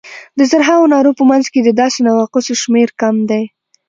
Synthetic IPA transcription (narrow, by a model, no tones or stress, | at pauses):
d̪əzaɾɦaonɑɾopəmanzked̪əd̪ɑsenawaqʊsoʃmeɾkamd̪aj